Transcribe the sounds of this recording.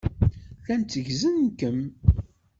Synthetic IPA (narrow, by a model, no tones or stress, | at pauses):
θænt͡s̪ːəʝzənnkəm